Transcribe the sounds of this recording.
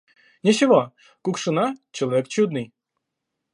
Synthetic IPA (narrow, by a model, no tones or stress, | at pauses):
nʲɪt͡ɕɪvo | kʊkʂɨnat͡ɕɪlˠɐvʲekt͡ɕud̪nɨj